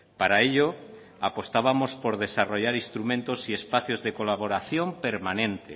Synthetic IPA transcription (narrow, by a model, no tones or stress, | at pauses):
paɾaeʎo | apost̪aβamospoɾðesaroʎaɾist̪ɾumẽnt̪osiespaθjozðekolaβoɾaθjompeɾmanẽnt̪e